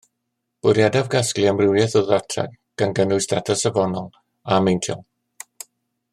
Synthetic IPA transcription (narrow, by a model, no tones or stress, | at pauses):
b̥ʊɾjadavɡaskliamrɪwjɛθəðatʰra̰ɡ̚ | ɡ̥anɡənʊɨsdatʰəsəvɔnɔlˠ | amejntʰɪ̰lˠ